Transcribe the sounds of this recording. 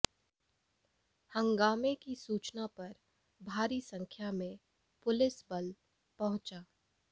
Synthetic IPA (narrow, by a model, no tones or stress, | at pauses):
hɐ̃ŋɡaːmekisuːt͡ʃnapɐɾ | bʱaːɾisɐ̃ŋkʰjamẽ | pʊlɪsbɐl | pɐɦʊ̃t͡ʃaː